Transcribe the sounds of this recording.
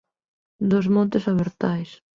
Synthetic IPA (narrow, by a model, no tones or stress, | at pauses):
d̪ozmɔ̃nt̪ɪsaβeɾt̪ajs